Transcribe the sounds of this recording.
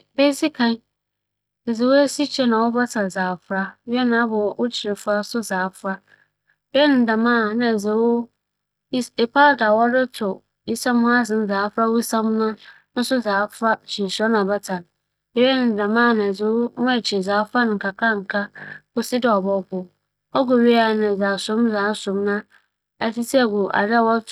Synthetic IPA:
be˦si˦kʰã˨n˦ | ɛ˨ze˨wo˦e˦si˦t͡ɕʰɛ˦nã˨wʊ˦ba˦sa˨zaː˨fɾa˦ɥɛ˦nã˨˦bɔ˨ɔ˨wʊ˦t͡ɕʰi˨ɾɪ˨fʊ˦a˦sʊ˦zaː˨˦fɾa˦ | bɛ˦ɛ˦nɪ̃˨n˦da˨mãː˦˨nã˨ɛ˨ze˨wo˦ | e˨pʰaː˦˨da˨wɔ˦dɪ˦tʰʊ˨ | i˦sã˦m˦hʊ̃˦a˦zɪ̃˨n̩˦zaː˨˦fɾa˦wʊ˦i˦sã˦m˦nã˦ | nʊ̃˦sʊ˦zaː˨˦fɾa˦t͡ɕʰi˨sa˦nã˨ba˦tʰã˨n | ɛ˨jɛ˦nɪ̃˨n˨da˨mãː˦˨nã˨ze˨wo˦mã˦˨t͡ɕʰɪ˨zaː˨˦fa˦nʊ̃˨ŋ̩˨kʰa˨kʰa˦ŋ̩˨kʰa˦bʊ˨sɪ˦dɪ˨ɔ˨bɔ˦ɡʊ˨ | ɔ˦ɡʊ˨ɥi˦a˨nɪ̃˨zaː˨sʊ̃˦m˦zaː˨˦sʊ̃˨˦mnã˦ | ɛ˨ti˦si˦ɛ˨ɡʊ˨ʔa̰˨da˦˨wɔ˦˨

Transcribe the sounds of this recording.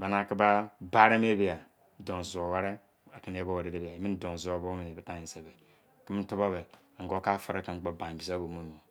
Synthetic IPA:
ba˨na˨ki˦ba˦ba˦ɾa˦m˦e˦bi˦a˨˦ | do˨n˨zo˨wa˦ɾe˦ | a˨ki˦n˦e˦bo˦wa˨ɾe˨de˦bi˨a˨mi˦n˦do˨n˨zu˨o˨bo˦mi˨n˨bta˨ji˨se˨be˨ | ki˦mi˦n̩˦tu˦ba˦be˨a˨ɡo˦ka˦fa˨ɾe˦ki˨m̩˦k͡po˨bã˨n˨bi˨sa˦bo˨mu˦o˨

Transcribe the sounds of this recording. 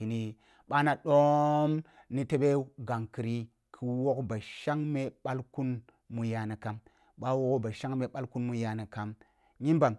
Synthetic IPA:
i˨ni˦ | ɓa˦na˨ɗo˦m | ni˦te˦ɓe˦ɡa˨ŋki˨ɾi˦ | kʰi˦wo˦kba˨ʃa˦ŋme˦ɓa˦lku˦n | mu˨ja˨na˨ka˨m | ɓa˦wo˦ko˦ba˨ʃa˦ŋme˨ɓa˦lku˦nmu˦ja˨na˨ka˦m | ɲi˦nba˨m

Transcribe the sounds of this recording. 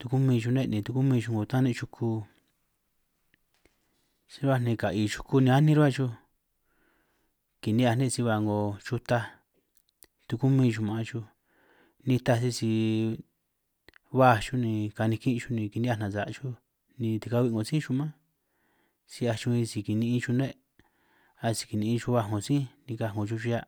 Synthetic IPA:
t̪u˧ku˦mĩ˧t͡ʃu˧nẽ˦˧nĩ˨˧˨t̪u˧ku˦mĩ˧ʃu˧ŋɡo˨t̪ã˦nẽ˦˧t͡ʃu˧kʰu˧ | sĩ˧ɾβa˦˧˨nĩ˧ka˨i˧t͡ʃu̥˧ku˧nĩ˧a˦nĩ˧˦ɾβa˦˧t͡ʃu˧ | ki˨nĩ˦a˧˨nẽ˦˧si˧βa˧ŋɡo˨t͡ʃu˧t̪a˧ | t̪u˧ku˦mĩ˧ʃu˧mã˨˧t͡ʃu˧ | nĩ˧t̪a˧si˧si˧ | βa˦˧˨t͡ʃu˦nĩ˧ka˧nĩ˧kĩ˦˧t͡ʃu˧˦nĩ˧ki˧ni˦a˧nã˨za˨˧t͡ʃu˦ | nĩ˧t̪i˧ka˧βi˧ŋɡo˨sĩ˦ʃu˧mã˦ | si˧a˧t͡ʃu˧ĩ˧si˧ki˨nĩ˧ĩ˧t͡ʃu˧nẽ˦ | a˧si̥˧ki˨˧nĩ˧ĩ˧t͡ʃu˧βa˧˨ŋõ˨sĩ˦nĩ˧ka˧˨ŋo˨t͡ʃu˧t͡ʃu˧ja˧

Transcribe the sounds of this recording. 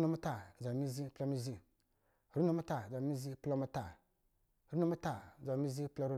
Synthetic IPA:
nu˦mu˦ta˨za˨mi˦zi˦pla˦mi˦zi˦˨ | ɾu˦nu˦mu˦ta˨za˨mi˦zi˦pla˦mu˦ta˨ | ɾu˦nu˦mu˦ta˨za˨mi˦zi˦pla˦ɾu˦

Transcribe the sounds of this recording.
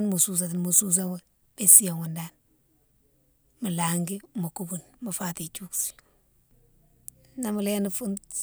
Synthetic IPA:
nmu˨su˨s̬a˨ti˨nmu˨su˦s̬a˦we˦ | be˦si˦jo˨ŋu˨nda˦n | mu˨la˨ŋɡi˦ma˨ku˦bu˨nma˨fa˦ti˨t͡ʃu˦ksi̥˨ | na˦mu˨le˦ni˦fu˦n

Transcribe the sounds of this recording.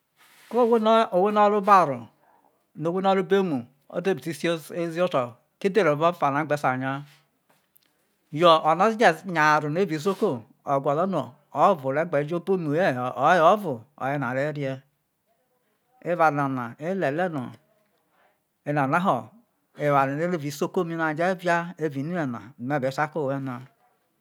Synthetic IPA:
ko˦wo˨we˦no˦ɾu˦ba˦˨ɾṵ˨ | no˨we˦n˦o˦ɾu˦be˦mu˨ | o̰˦de˦ɾti˦szi˦o˦to˨ | ke˦de˦ɾo˨vo˦fa˨na˨˦e˨˦sa˨ɲa˦ | jo˨o˨na˦d͡ʒe˨ɲa˨ɾu˨n˦e˦bi˨s̬o˦ko˦ | o˨ɡʷa˨lo˦n˦o̰˨ | o˦vu˨ɾe˨˦ɡ͡be˨˦d͡ʒo˦po˦nu˨je˦˨˦jo˦vu˨o̰˨je˦n˨a˨ɾe˦ɾi˦e˦ | e˦va˨ɾna˨na˨e˦le˨le˦no̰˨ | e˨˦na˨na˦ɦo˨ | e˦va˨ɾi˨ne˦ɾe˦vi˨˦so˦ko˦mi˦na˨d͡ʒe˦vja˦e˦˨vi˨ni˦e˨na̰˨me˦˨be˨˦sa˦ko˦˨we˦na˨

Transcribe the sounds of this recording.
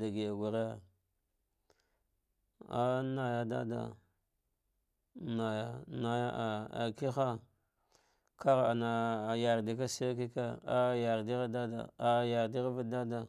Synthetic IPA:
da˨ɡi˨ja˨ɡu˨ɾa˦˨ | a˦na˨ja˦da̰˦da̰˨ | na˨ja˨na˦ja̰˦ʔa˨a̰˨ki˦xa˦ | ka˦ɣa˨na˨ja˨ɾdi˨k̬a˦se˦k̬i˦ka˦a˦ja˨ɾdi˦ɣa˦da˦da̰˨a˨ja˨ɾdi˦ɣa˦va˦da˦da˨

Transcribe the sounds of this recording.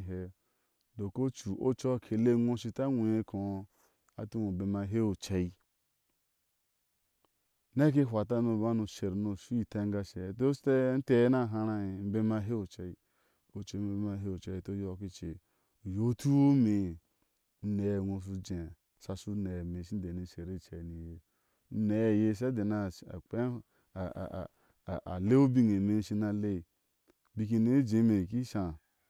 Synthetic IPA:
ɦe˨ | do˨ko˦t͡ʃu˨ʔo˦t͡ʃo˦˨kʰe˨le˦˨ŋʷo˦ʃi˨ta˦ŋʷu˨je˦ko˨˦ | a˨tu˦no˨be˨ma˨ɦe˦o˨t͡ʃa˨i˦ | ne˦k̬e˦ɦʷa˨ta˦no˨ba˦no˨ʃe˨ɾno˨su˦i˨ta˦ŋ˦ɡa˧˨ʃe˨to˦ste˦n̩˦te˦na˦˨ɦa˧ɾa˨i˨m̩˦be˦ma˦ɦe˦o˨t͡ʃa˨i˦ | o˦t͡ʃo˨˦m˦be˦ma˦ɦe˦o˨t͡ʃa˨i˨to˦jo˦˨ki˦t͡ʃe˨ | jo˦tu˦o˦me˨˦ | ne˨ŋo˨s̬u˧d͡ʒe˨sa˨su˦ne˨me˨ʃi˦de˨ni˨˦ʃe˨ɾe˦˨t͡ʃe˨ni˨je˨ | n̩˦ne˨jje˦˨s̬a˦de˨na˨a̰˨k͡pḛ˦˨ | a˨le˦o˦bi˦ŋe˨me˦n̩˦ʃi˧na˧le˦˨ | bi˧k̬i˧ne˦d͡ʒe˨˦me˨ki˦ʃa˨

